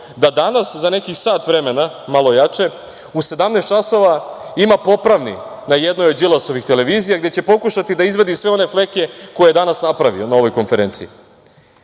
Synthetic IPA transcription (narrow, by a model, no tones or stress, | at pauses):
d̪ad̪anaszane̞kisaːt̪ʋɾe̞me̞na | malˠo̞jat͡ʃe̞ | use̞d̪amnest̪t͡ʃaso̞ʋaimapo̞pɾaʋnḭ | najed̪nojod͡ʑilˠaso̞ʋixt̪ele̞ʋiːzijaɡd̪jet͡ɕe̞po̞kuʃat̪id̪aizʋed̪isʋe̞o̞ne̞fle̞ke̞ko̞jejed̪anasnapɾaʋḭo̞nao̞ʋo̞jko̞nfe̞ɾeːnt̪sii